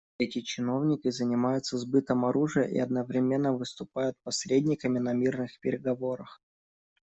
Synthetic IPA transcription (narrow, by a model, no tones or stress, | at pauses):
ɛtʲɪt͡ɕɪno̞vnʲɪkʲɪzənʲɪmajʊt̪səzbɨt̪əmɐɾuʐɨjə̰ʔḭɐd̪nəvɾʲɪmʲe̞nːəvɨst̪ʊpajʊt̪̚pɐsʲɾʲedʲnʲɪkəmʲɪnɐmʲirnɨxpʲɪɾʲɪɡɐvo̞ɾəx